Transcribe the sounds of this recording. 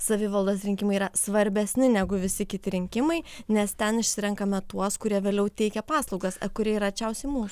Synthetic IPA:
sɐʋʲɪʋɐlˠd̪oːsɾʲɪŋʲkʲɪmɐɪiːɾɐsʋɐɾʲbʲɛsʲnʲɪnʲæɡʊʋʲɪsʲɪkʲɪt̪ʲɪɾʲɪŋʲkʲɪmɐɪnʲɛst̪ʲɛnɪʃʲsʲɪɾʲɛŋkɐmʲɛt̪uɔskʊɾʲiɛʋʲeːlʲɛʊt̪ʲɛɪkʲɛpɑːslˠɒʊɡɐsɐ̰kʊɾʲiɛiɾɐt͡ʃʲɛʊsʲɛɪmuːs

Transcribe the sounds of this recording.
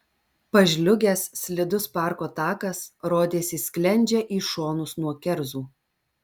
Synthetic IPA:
pɐʒʲlʲʊɡʲɛssʲlʲɪd̪ʊspɑˑɾkoːt̪ɑːkɐsɾoːd̪ʲeːsʲɪsʲkʲlʲɛnʲd͡ʒʲɛʔiːʃoːnʊsnuɔkʲɛɾzuː

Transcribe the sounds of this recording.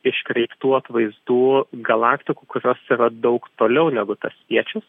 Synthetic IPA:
ɪʃkɾʲɛɪpt̪uːɐt̪ʋɐɪzd̪uːɡɐlˠɑːkt̪ʲɪkukʊɾʲoːsiːɾɐd̪ɐʊkt̪oːlʲɛʊnʲæɡʊt̪ɐspʲiɛt͡ʃʲʊs

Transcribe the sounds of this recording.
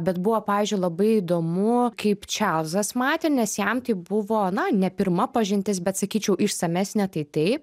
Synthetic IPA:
bʲɛt̪bʊʋoːpɑːʋʲiːzʲd͡ʒʲʊɪlˠɐbɐɪid̪oːmʊkɐɪpt͡ʃʲɛʊzɐsmɑːt̪ʲɪnʲɛsjɛmt̪ɐɪbʊʋoːnɐnʲɛpʲɪrmɐpɐʒʲɪnʲt̪ʲɪsbʲɛt̪sɐkʲiːt͡ʃʲɛʊʔɪʃsɐmʲæsʲnʲɛt̪ɐɪt̪ɐɪp

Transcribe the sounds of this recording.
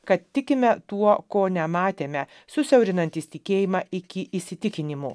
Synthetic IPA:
kɐt̪t̪ʲɪkʲɪmʲɛt̪uɔkoːnʲɛmɑːt̪ʲeːmʲɛ | sʊsʲɛʊɾʲɪnɐnʲt̪ʲiːsʲt̪ʲɪkʲeːjɪmɑːʔɪkʲɪʔɪsʲɪt̪ʲɪkʲɪnʲɪmuː

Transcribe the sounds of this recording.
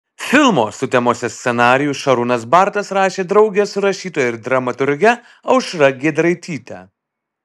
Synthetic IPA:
fʲɪlˠmoːsʊt̪ʲɛmoːsʲɛsʲsʲɛnɑːɾʲɪjʊʃɐɾunɐsbɑɾt̪ɐsɾɑːʃʲeːd̪ɾɒʊɡʲɛsʊɾɐʃʲiːt̪oːjɪɾd̪ɾɐmɐt̪ʊɾʲɡʲɛ | ɐʊʃɾɐɡʲed̪ɾɐɪt̪ʲiːt̪ʲæ̰ː

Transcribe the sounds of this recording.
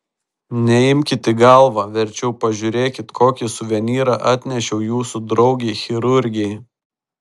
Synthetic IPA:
nʲɛɪmʲkʲɪt̪ʲɪɡɐlˠʋɑʋʲɛɾʲt͡ʃʲɛʊpɐʒʲʊɾʲeːkʲɪt̪kʰoːkʲɪsʊʋʲɛnʲiːɾɑʔɑːt̪ʲnʲɛʃʲɛʊjuːsʊd̪ɾɒʊɡʲɛːxʲɪɾʊɾʲɡʲɛɪ

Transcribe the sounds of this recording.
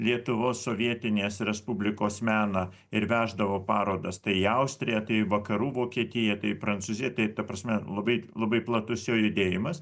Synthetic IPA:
lʲiɛt̪ʊʋoːsːoːʋʲiɛt̪ʲɪnʲeːsɾʲɛspʊbʲlʲɪkoːsmʲæːnɐ | ɪɾʋʲæːʒd̪ɐʋoːpɑːɾoːd̪ɐst̪ɐɪɐʊsʲt̪ʲɾʲɪjɛt̪ɐɪʋɐkɐɾuːʋoːkʲiɛt̪ʲɪjɛt̪ɐɪpɾɐnt̪suːzʲɪjɛt̪ɐɪt̪ɐpɾɐsʲmʲɛlˠɐbɐɪlˠɐbɐɪplˠɐt̪ʊsjoːjʊd̪ʲeːjɪmɐs

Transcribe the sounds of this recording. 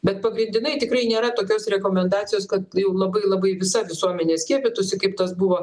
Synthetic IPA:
bʲɛt̪̚pɐɡɾʲɪnʲd̪ʲɪnɐɪt̪ʲɪkɾɐɪnʲeːɾɐt̪oːkʲoːsɾʲɛkoːmʲɛnd̪ɑːt̪ʲɪjoːskɐt̪jɛʊlˠɐbɐɪlˠɐbɐɪʋʲɪsɐʋʲɪsuɔmʲɛnʲeːsʲkʲiɛpʲɪt̪ʊsʲɪkɐɪpt̪ɐsbuʋoː

